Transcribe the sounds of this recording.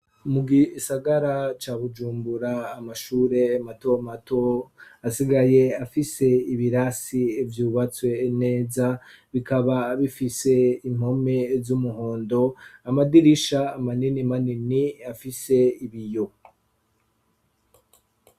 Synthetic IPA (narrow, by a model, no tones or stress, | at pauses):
muɡisaɡaɾat͡ʃaːβud͡ʒuːmbuɾaːmaʃuːɾe̞amato̞mato̞asiɡaje̞afise̞iβiɾasivjuːβat͡swe̞ne̞ːza | βikaβaβifise̞im̥ho̞me̞zumuɦo̞ːndo̞amadiɾiʃaːmaninimaniniafise̞iβijo